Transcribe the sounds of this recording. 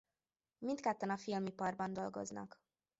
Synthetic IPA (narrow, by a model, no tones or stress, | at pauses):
mint̪kɛt̪ːɒnɒfilmipɒrbɒnd̪o̞lɡo̞̰znɒ̰k